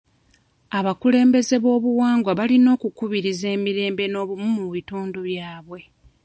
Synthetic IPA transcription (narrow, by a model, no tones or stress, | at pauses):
aβakule̞ːmbe̞ze̞βo̞ːβuwaːŋɡwaβalino̞ːkukuβiɾize̞ːmiɾe̞ːmbe̞no̞ːβumumuβituːnduβjaːβwe̞